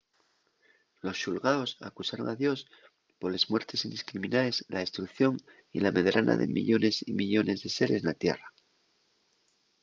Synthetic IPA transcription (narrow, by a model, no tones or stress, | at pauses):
lo̞sʃulɣaosa̰kusaɾo̞̰ŋaðjo̞s | po̞ɾle̞zmwe̞ɾt̪e̞sind̪iskɾiminaezlaest̪ɾukθjo̞ŋ | ḭlame̞ðɾʔanʔa̰ðe̞̰mḭʎo̞ne̞simiʎo̞ne̞zðe̞se̞ɾe̞snat̪je̞̰ra